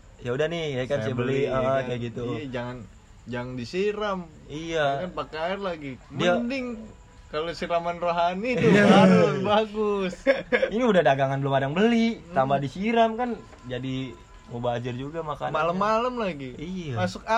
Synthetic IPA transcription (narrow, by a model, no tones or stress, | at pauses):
jaudahnɪhkajakansajabəliəkajaɡit̪uad͡ʒaŋan | d͡ʒaŋandisiɾam | ijakanpakaɪrlaɡimdiəandɪŋ | kalosiɾamanroɦanit̪uaɾʊsbaɡʊsiniudahdaɡaŋanbəlʊmadaŋbəlit̪ambadisiɾamkan | d͡ʒadi | mobad͡ʒɪrd͡ʒuɡamaka̰malammːalamlaɡiiamasʊk̚a